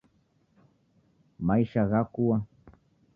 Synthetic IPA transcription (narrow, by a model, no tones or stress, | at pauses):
majʃaɢakuwa